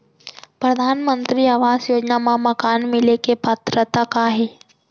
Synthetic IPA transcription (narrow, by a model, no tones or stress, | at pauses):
pɾɐd̪ʱaːnmənt̪ɾiaʋaːzjoːd͡ʒnamãmɐkaːnmɪlekepət̪ɾət̪əkaːɦeː